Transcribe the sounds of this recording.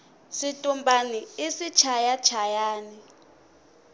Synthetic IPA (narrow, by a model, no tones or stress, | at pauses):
sitʼumbaniisit͡ʃʰajat͡ʃʰajaːni